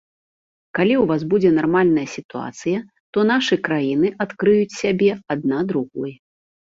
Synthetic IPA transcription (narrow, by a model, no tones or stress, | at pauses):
kalʲiwvazbud͡zʲɛnarmalʲnɐjɐsʲit̪ua̰t̪sɨjɐ | t̪ɔnaʂɨkɾajinɨʔat̪kɾɨjut͡sʲsʲabʲɛad̪̚nad̪ɾuɣɔj